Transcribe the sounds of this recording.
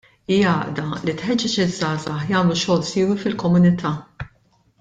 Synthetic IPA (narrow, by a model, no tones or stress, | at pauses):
iːjɐːʔd̪ɐlit̪ħɛd͡ʒːɛt͡ʃɪzːɐːzɐħjɐːmluʃɔːlsiːwifɪlkɔmʊnɪt̪ʰɐː